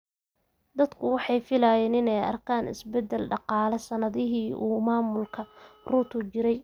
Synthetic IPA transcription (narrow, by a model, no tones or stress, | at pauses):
d̪ɐd̪kʰʊwɑħɑjfɪlaːjɛːnɪnɛjɐ̰rkʰaːnɪ̰sbɛd̪ːɛlɖɑqɑːlɛsɐnɐðɪɦiːʔuːmaːmʊlkʰɐruːt̪ʰʊt͡ʃɪɾɛj